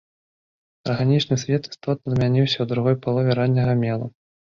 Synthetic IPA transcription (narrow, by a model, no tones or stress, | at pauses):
ɐrɣanʲit͡ʂnɨsʲvʲɛt̪i̥st̪ɔt̪̚nɐzmʲanʲiwsʲɐwd̪ɾuɣɔjpalˠɔvʲɪɾanʲːɐɣɐmʲɛlˠɐ